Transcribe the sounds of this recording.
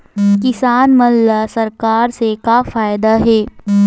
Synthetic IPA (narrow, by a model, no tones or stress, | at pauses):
kɪsaːnmɐlːasɐɾkaːɾsekafaːjɪd̪aɦɛː